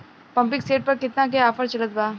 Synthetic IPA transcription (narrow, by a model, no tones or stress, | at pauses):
pɐ̃mpɪkseːʈ̚pɐɾkɪt̪nak̬eaːfəɾt͡ʃɐlət̪̚baː